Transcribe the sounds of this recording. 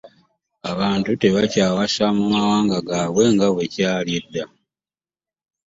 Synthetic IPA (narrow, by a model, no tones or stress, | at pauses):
aβaːntute̞βacaːwasamumawaːŋɡaɡaːβwe̞ŋɡaβwe̞caːlje̞dːa